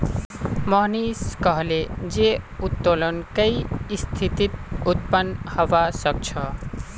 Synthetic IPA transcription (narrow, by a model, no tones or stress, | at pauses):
mʌɦniskʌɦled͡ʒeut̪ːolənkəist̪ʰit̪it̪̚ut̪̚pənhəʋasʌk̚t͡ʃʰʌ